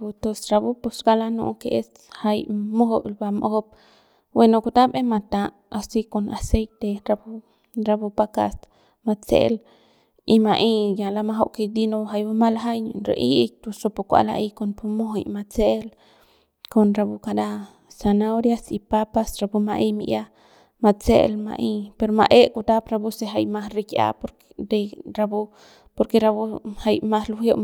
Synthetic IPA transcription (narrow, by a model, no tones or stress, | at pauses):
put̪osɾabuposɡalano̰ʔkeʔes | hajmoɦoʔlbamʔohop̚ | wenokut̪abemat̪aʔ | asikonasejt̪eɾabu | ɾabupaka̰s | mat͡sḛl | imaʔijalamaɦoʔked̪inoɦajbamalaɦajɲo̰nɾḛʔik̚t̪usɾopukʷa̰la̰ʔikonpumoɦojmat͡sel | konɾabukad̪a | sanawɾjasipapasɾabumaʔimiʔja | mat͡sḛlma̰ʔipeɾoma̰ʔekut̪apɾabuseɦajmahɾikja̰poɾ | ɾeɾabu | poɾkeɾabuhajmahluhjoʔ